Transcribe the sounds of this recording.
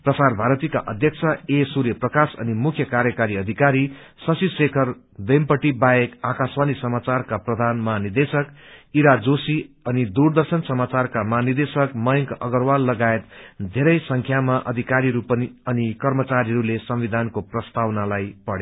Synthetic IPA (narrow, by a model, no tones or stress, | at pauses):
prʌsarbʱaɾʌt̪ika̰ʔʌ̰d̪ʱjʌk̚t͡sʰʌesuɾjʌprʌkasʌ̰nimukʰjʌkaɾjʌkaɾiʌd̪ʱikaɾi | sʌsisekʰʌr | d̪ʌjmpʌʈibajekakaswanisʌmat͡sarkaprʌd̪ʱanmaɦanid̪esʌkiɾad͡zosi | ʌnid̪urd̪ʌrsʌnsʌmat͡sarkamʌanird̪esʌkmʌjŋkʌ̰ɡʌrwalːʌɡaet̪d̪ʱeɾʌjsʌŋkʰjamaʔʌ̰d̪ʱikaɾiɾupʌniʌnikʌrmʌt͡saɾiɾulesʌmwid̪ʱankoprʌst̪awnalajpʌɽe